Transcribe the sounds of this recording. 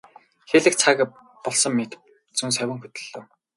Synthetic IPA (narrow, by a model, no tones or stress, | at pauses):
xeɮɘ̆k̚t͡sʰak | pɔɮsɞ̆mːet̪ | t͡sunsœwʲɪ̆ŋxɵt̪ɵ̆ɮːoː